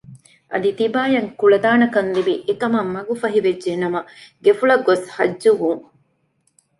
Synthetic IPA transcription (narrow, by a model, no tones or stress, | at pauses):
ʔɐ̰d̪it̪ibaːjɐŋkuɭɐd̪aːnɐkɐnlibiʔekɐmɐmːɐɡufɐɦiʋed͡ʒʒenɐmɐɡefuɭɐɡːoshɐd͡ʒːuʋuŋ